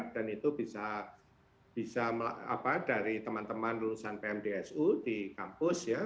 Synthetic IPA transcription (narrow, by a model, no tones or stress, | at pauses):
d̥anit̪ubisa | b̥isamla̰a̰padaɾit̪əmant̪əmanlulusanpeɛmdeɛsudikampʊsja